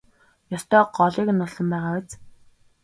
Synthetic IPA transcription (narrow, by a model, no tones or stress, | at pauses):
jɔst̪œːɢɔɮiːknːʊɮsɞ̆mpæːʁaːwĕt͡s